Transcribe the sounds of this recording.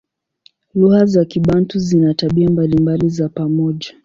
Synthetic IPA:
luhazakiɓantuzinataɓiambalimbalizapamɔʄa

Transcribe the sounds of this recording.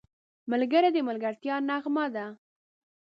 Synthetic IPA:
malɡəɾad̪əmalɡaɾt̪jɑnaɣmɑd̪a

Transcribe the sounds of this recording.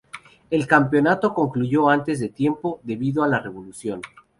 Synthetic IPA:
e̞lkampjo̞nat̪o̞ko̞ŋkluʝo̞ant̪e̞zðe̞t̪je̞mpo̞ðe̞βiðoalare̞βo̞lusjo̞n

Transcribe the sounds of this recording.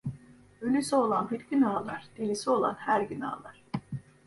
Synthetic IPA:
ølʲysio̞lˠanbiɾɟynaːlˠaɾ̥d̪̥elʲisio̞lˠa̰nhæɾɟyna̰ːlˠaɾ̥

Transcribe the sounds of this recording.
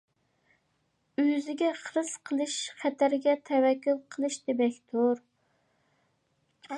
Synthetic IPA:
øzɪɡʲɛχəɾɨz̥qʰəlˠɨʃχæt̪ʰæɾɡʲɛt̪ʰɛwɛkʲːulˠqʰəlˠɨʃd̪ɪbɛkʲt̪ʰoɾ

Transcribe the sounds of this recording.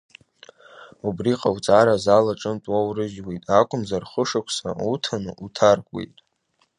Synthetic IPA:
ubriqʼawt͡sʼaɾazalaʈ͡ʂʼɨntʼwawrɨʒwejtʼakʷʰʼʊmzarχəʂakʷʰsa̰utʰanɨ̰utʰarɡʷʼwḛjtʼ

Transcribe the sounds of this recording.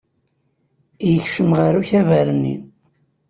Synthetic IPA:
ijəçʃəmʁaɾuçævæɾənːḭn

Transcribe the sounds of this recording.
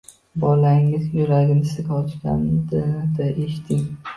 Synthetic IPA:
bɒlaŋɪzjʊɾaɡʲɪnɪsɪ̥ɪzɡʲaɒt͡ʃɡʲa̰nɪd̪ɪd̪aʔeʃt̪ʰɪŋ

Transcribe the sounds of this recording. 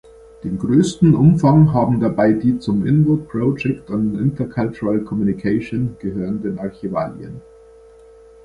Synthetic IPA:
d̥eːnɡʁøːstn̩ʔʊmfaŋɦaːbm̩dabaɪdiːt͡sʊmʔɪ̰nbʊt̚pʁ̥od͡ʒɛktʊntɪ̰ntʰɐkʰalt͡ʃʊʁalkʰɔmjunikʰaɪʃoːnɡ̥əɦøːʁəndenaɐçiva̰ːlj̰ə̰n

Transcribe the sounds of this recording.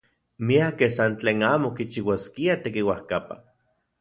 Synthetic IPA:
miakesant͡ɬeːnaːmokit͡ʃiwaskiat̪ekiwahkapa̰

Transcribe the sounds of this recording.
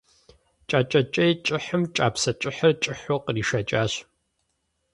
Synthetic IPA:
t͡ʃʼaːt͡ʃʼɐt͡ʃʼɐjt͡ʃʼɪħəmt͡ʃʼaːpsɐt͡ʃʼɪħɐrt͡ʃʼɪħʷɔqriːʃɐt͡ʃʼaːɕ

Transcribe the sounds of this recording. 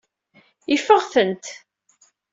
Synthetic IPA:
ifəʁθənt̪

